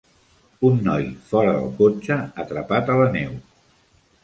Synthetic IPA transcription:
unːɔjfɔɾəðə̰lˠkot͡ʃəːt̪ɾəpat̪ələnɛw

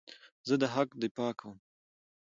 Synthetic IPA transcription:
zəd̪əɦakd̪ɪpɑːkʰəwm

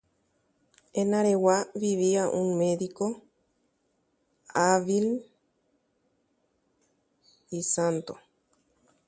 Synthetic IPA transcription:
enaɾewaβiβiaʔũŋmeðiko | aβil | isant̪o̰

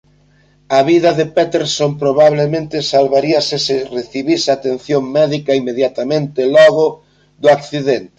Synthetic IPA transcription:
aβiðɐðepɛt̪eɾsompɾoβaβlemẽnt̪ɪsalβaɾiɐsɪsɪreθiβisat̪en̟θjoŋmɛðikɐimeðjat̪amẽnt̪ɪlɔɣʊ | ðʊakθiðent̪ɪ̥

